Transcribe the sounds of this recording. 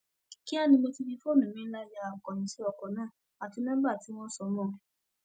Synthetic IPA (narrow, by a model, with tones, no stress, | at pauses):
ki˦a˦˨nĩ˧mo˧ti˧bi˧fo˦˨nũ˨ĩ˦la˧˦d͡ʒa˦a˨kɔ˨nĩ˨˦si˦ɔ˨kɔ˨nãː˦˨ | a˨tũ˨˦nãː˦ba˦˨ti˨˦w̃ɔ̃˦sɔ˧mɔ̃ː˦˨